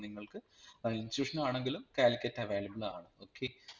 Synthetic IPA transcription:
niŋːɐɭkɨinsjuːʂɐnmaːɳeŋɡilumkaːlikʲːɐtːɐʋeːlɐbɐɭa̰ːɳɨoːkʰːe

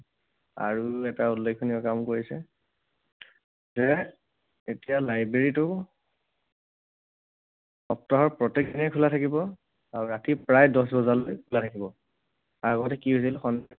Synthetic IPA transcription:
a̰ɹuɛtaulːekʰːuniɔkamkoɹisɛ | zɛ | etijalajbɹeɹitʊ | ɔp̚tɔɦɔɹpɹɔtekinɛkʰulatʰakibɔ | aɹuɹatipɹajdɔs̬bɔzalojkʰulatʰakibɔ | aɡɔtɛkiɦos̬ilxɔnd

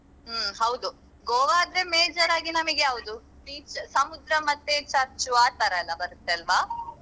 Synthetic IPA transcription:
hɐwd̪u | ɡoːʋaːd̪ɾemeːd͡ʒɐɾaːɡinɐmɐɡeɦɐwud̪u | ʈiːt͡ʃsɐmud̪ɾɐmɐt̪ːet͡ʃɐɾt͡ʃuaːt̪ɐɾɐɐlːɐbɐɾut̪ːeɐlʋaː

